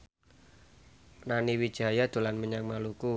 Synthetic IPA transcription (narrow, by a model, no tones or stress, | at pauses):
raniwid̥ʒ̥a̤jad̪̥o̤lanməɲaŋmaluku